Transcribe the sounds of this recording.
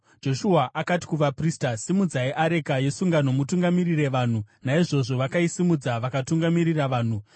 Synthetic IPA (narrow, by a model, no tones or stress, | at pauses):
d͡ʒo̞ʃuaʔakati̥kuʋapriːstasimud͡zaeʔaɾe̞kaje̞suŋɡano̞mutuŋɡamirire̞ʋaːn̤unaiʐo̞ʐo̞ʋakaisimud͡zaʋakatuŋɡamiɾiraʋaːn̤u